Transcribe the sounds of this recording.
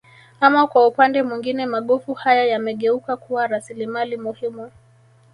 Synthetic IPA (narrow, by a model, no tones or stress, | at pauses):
amakwaupandɛmwiŋɡinɛmaɠɔfuhajajamɛɠɛukakuwaɾasilimalimuhimu